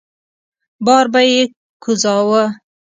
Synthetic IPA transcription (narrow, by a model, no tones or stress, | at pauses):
bɑːɾbaje | kʰuzɑwə